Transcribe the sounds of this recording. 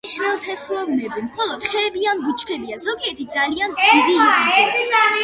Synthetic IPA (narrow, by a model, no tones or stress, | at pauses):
ʃmɛlˠt̪ʰɛslˠɔvnɛbimχɔlˠɔd̪̥χʰɛbianɡut͡ʃʰkʰɛbiazɔɡiɛɾt̪ʰid̪zalianiʁiizm